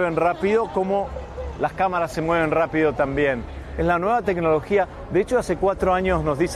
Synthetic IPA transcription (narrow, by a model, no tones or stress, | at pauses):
βenrapiðo̞ko̞mo̞ | laskamaɾasːe̞mwe̞β̞e̞nrapiðo̞t̪ambje̞n | eslanwe̞βat̪e̞kno̞lo̞xia | d̪eet͡ʃoase̞kwat̪ɾoaɲo̞znozðis